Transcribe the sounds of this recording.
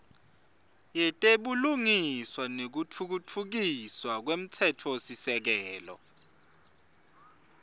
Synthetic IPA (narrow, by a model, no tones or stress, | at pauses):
jɛtʼeɓuluŋiswanek̬utʰuk̬utʰuk̬iswak̬wem̩tʰɛtʰɔosisɛk̬ɛːlɔ̰